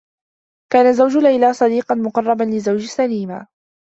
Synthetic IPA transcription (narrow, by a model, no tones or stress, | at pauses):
kaːnazawd͡ʒʊlajlaːsˤɑd̪iːqɑnmʊqɑrˤːɑbanlɪzawd͡ʒsaliːma